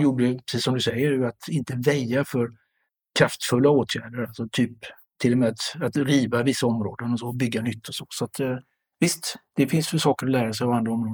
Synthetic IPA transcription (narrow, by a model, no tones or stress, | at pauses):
juːɖəjpʰɾɛsiːsɔmd̪ɵsɛjːəjat̪ɪnt̪əvɛljafœɾ | kʰɾaft̪fɵlːaoːt̪ʰjæːɖəɾalsɔt̪ʰyːp | t̪ʰːɪlːɔmɛat̪at̪ɾiːvavɪsːaɔmɾoːd̪ənɔsɔːbʏɡːanʏt̪ʰːɔsoːsat̪ | vɪst̪d̪̥ɛfɪnsfœʂɑːkəɾɔlæːɾasɛjɔand̪ɾaɔmɾoːd̪